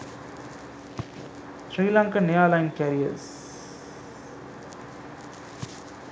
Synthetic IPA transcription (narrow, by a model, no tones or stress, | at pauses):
sɾiːlãːŋkanejaːlaɪnkæɾiɐ̰ɾs